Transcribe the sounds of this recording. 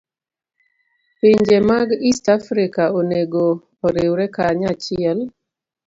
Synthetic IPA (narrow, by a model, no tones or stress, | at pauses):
pɪɲd͡ʒemaɡistafɾikaoneɡoː | ɾewɾɛkaɲat͡ʃɪɛl